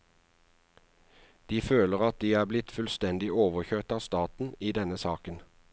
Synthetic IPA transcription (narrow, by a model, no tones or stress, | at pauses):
d̪̥iːføːləʁɑt̪̚d̪iːæːblɪt̪fʉlst̪ɛnd̪ɪʔoːʋəçøːt̪ɑːʋst̪ɑːt̪n̩iːd̪ɛnəsɑːkən